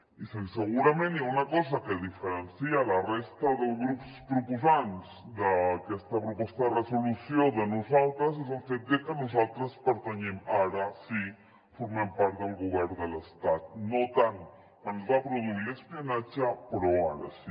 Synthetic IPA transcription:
iseseɣuɾamẽnaunakɔs̬akeðifeɾensialarest̪aðelɣɾupspɾukusans | d̪akest̪apɾopest̪aresolusjoðenusalt̪ɾas̬es̬alfet̪̚d̪ekənusalt̪ɾaspəɾt̪aɲemaɾasi | fuɾmempaɾt̪̚d̪elɣuβɛɾðelest̪at̪̚not̪aŋ | kwanzβapɾoðuiɾespianat͡ʃapɾoaɾa̰si

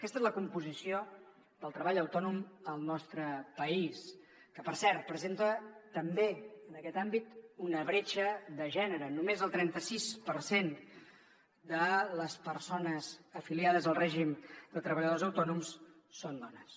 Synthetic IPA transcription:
kɛst̪ezləkumpuzisio | d̪əlˠt̪ɾəβaʎəwt̪ɔnuməlˠnɔst̪ɾəpəis | kəpəɾsɛɾt̪̚pɾəzent̪ət̪əmbeənəkɛt̪ambit̪unəβɾet͡ʃəðəʒɛnəɾənumezəlˠt̪ɾɛnt̪əsispəɾsen | d̪ələspəɾsonəzəfiliaðəzəlˠrɛʒimd̪ət̪ɾəβəʎəðozəwt̪ɔnums | sond̪ɔnəs

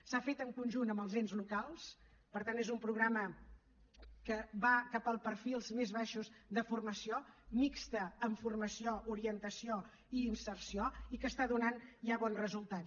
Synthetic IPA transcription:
safet̪əŋkunʲʒunəmbəlˠzenzlukalˠs | pəɾt̪anezumpɾuɣ̞ɾamə | kəβakapəlˠpəɾfilˠzmezβaʃuzðəfurməsiomikst̪əːɱfurməsiouɾiənt̪əsio | iːnsərsioikəst̪aðunanʒaβɔnzrəzulˠt̪at̪

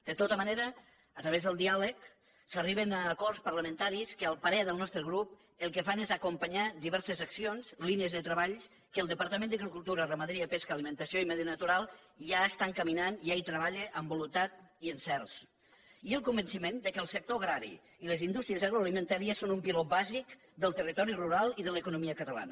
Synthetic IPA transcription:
d̪̥ət̪ot̪əməneɾə | ət̪ɾəβezðəlˠd̪ialək | səriβənaːkɔrspərləmənt̪aɾiskəalˠpəɾɛðəlˠnɔst̪ɾəɣɾup | əlˠkəfanezəkumpəɲaðiβɛɾsəzəksionzliniəzðət̪ɾəβaʎ | kəːlˠd̪əpəɾt̪əmẽnd̪əɣɾikulˠt̪uɾərəməðɾiapeskaːlimə̃nt̪əsioimɛðiənət̪uɾalˠ | ʒaəst̪aŋkəminaniajt̪ɾəβaʎeʔəmbulunt̪at̪iənsɛrs | iəlˠkumbənsimend̪əkəlˠsək̚t̪oɣɾaɾḭ | iləzind̪ust̪ɾiəzaɣɾoalimə̃nt̪aɾiəsonumpilɔbazik | d̪əlˠt̪ərit̪ɔɾiruɾalˠiðələkunumiəkət̪əla̰nə̰

